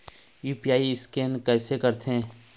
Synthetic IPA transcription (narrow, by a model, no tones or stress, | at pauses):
juːpijaːiɪskeːnkɛːsekɐɾt̪ʰẽː